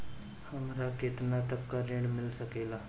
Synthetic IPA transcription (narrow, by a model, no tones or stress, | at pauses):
hɐmɾakɪt̪nat̪ɐkːaɾẽːɽmɪlsɐkeːɡaː